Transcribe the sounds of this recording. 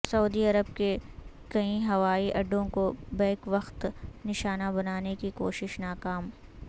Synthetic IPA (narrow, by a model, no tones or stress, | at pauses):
sɐuːd̪iɐɾəb̚ke | kɐĩɦɐʋaːiʔɐɖːõkobɛ̃ːkʋɐxt̪nɪʃaːnabɐnaːnekiko̰ːʃɪʃnaːkaːm